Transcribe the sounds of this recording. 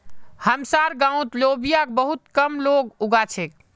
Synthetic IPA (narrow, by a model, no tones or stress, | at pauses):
həmsaɾɡãũt̪lobijak̚bəɦut̪̚kəmloɡuɡat͡ʃʰek̚